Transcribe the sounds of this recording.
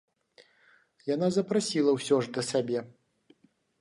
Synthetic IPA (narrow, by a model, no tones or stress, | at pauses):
janazɐpɾasʲilˠɐwsʲɔʐd̪ɐsabʲɛ